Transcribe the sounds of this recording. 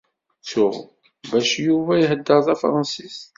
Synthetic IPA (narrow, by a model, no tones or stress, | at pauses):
t͡sːʊʁ | bæʃjuvæjɦəd̪ːəɾðæfɾˤɑnsis